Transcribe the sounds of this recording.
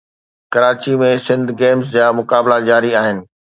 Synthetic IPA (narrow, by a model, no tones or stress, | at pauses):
kɐɾaːt͡ɕimẽsɪ̃nd̪ʱɡeːmsd͡ʑaːmʊkaːblad͡ʑaːɾiaːɦɪnɪ̆